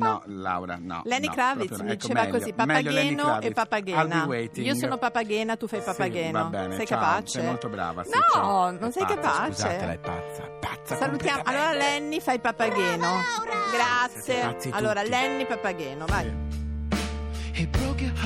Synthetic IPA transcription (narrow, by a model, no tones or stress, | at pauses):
nla̰wɾa̰nɔ̰lɛnːiklavit̪mid̪it͡ʃeːvakozipapaɛːnoepːapːaɡɛːnaiːosoːnopapaɡɛːnat̪ufajpapːaɡɛːnoɛssɛjkapat͡ʃeolt̪obɾa̰ːvanɔnonsɛjkapaːut͡ʃea | salut̪jaːmoʔalːoːɾalɛnːifajpapːaɡɛːnoɡɾaat̪ssːjeallːoːɾalɛnːipapːaɡɛːnovaj | epːɾɔpɾjo